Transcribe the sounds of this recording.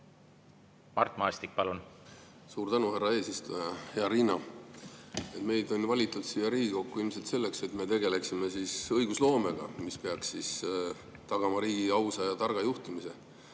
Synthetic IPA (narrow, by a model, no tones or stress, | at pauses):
mɑ̰rt̪ˑmɑest̪ik̚pɑlun | suːɾt̪ænuhærɑe̞ːsist̪ujɑheɑɾinɑ | e̞t̪me̞jd̪o̞nvɑlʲit̪ːˑud̪̥sijɑɾiːɡ̥iko̞kːuilmse̞lt̪se̞lːe̞kse̞t̪me̞t̪e̞ɡe̞le̞ksime̞siːsɤjɡ̥uslo̞ːme̞ɡ̥ɑ̰mispeɑksːis | t̪ɑɡ̥ɑmɑɾiːɡ̥iɑwsɑjɑt̪ɑrɡ̥ɑjuht̪imise̞